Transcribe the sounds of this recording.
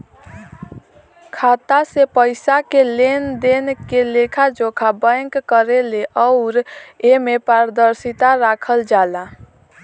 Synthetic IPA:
kʰat̪asepəɪsakelend̪enkelekʰad͡ʒokʰabə̃ŋkːəɾeleʔəʊɾemepaɾd̪əɾsit̪aɾakʰəld͡ʒala

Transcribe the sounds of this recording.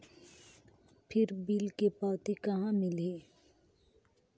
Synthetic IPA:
pʰɪɾbiːlkepɔːt̪ikɐɦãmɪleː

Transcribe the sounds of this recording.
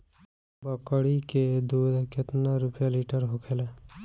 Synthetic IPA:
bəkəɽiked̪uːd̪kɪt̪naɾupjaliʈəɾɦokʰele

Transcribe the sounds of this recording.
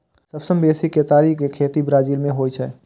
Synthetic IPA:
səbsəmbeːsikːet̪aːɾikekʰeːt̪ibɾaːd͡ʒiːlmẽɦoːit͡ʃʰɛ̰

